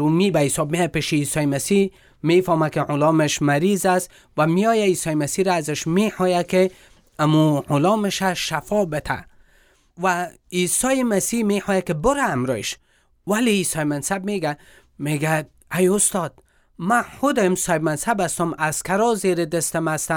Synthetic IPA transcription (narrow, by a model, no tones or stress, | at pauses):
ɾumibaɪsɔbmeapeʃeisɔjemasi | mefɔmakɪʕʊlɔmɪʃmaɾizas | wamijɔjaisɔjɪmasiɾaːzɪʃmeħɔjakɪ | amuʕʊlɔmɪʃaʃafɔbɪt̪ʰa̰ | wa | isɔjɪmasimeħɔjakɪbʊɾaːmɾɔ̰ɪʃ | waleisɔjmansabmeɡa | meɡad̪ | ajʊst̪ɔd̪̥ | mahʊd̪ɪmsɔɪbmansabast̪ʊmaz̥kaɾɔzeɾɪd̪ɪst̪ɪmast̪a